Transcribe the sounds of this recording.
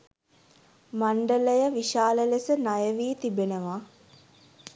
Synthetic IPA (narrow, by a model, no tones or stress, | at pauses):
maɳɖələjəʋiʃaːləlesənajəʋiːt̪ibenəʋa